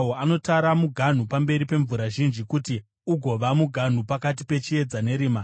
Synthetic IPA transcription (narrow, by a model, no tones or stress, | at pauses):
oano̞taɾamuɡʱan̤upambe̞ɾipe̞ɱvuɾaʒind͡ʒikuti | uɡʱo̞ʋamuɡʱan̤upakat̬ipe̞t͡ʃie̞d͡zane̞ɾiːma